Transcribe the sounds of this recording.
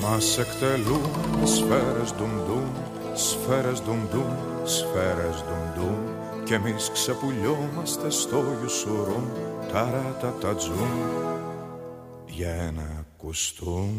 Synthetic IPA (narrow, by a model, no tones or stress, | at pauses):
masɛkt̪ɛlumɛsfɛɾɛzd̪umd̪um | sfɛɾɛzd̪umd̪um | sfɛɾɛzd̪umd̪um | cɛmisksɛpuʎɔmɐst̪ɛst̪ɔvusuɾunt̪aɾat̪at̪ad͡zum | jɛnɛkust̪um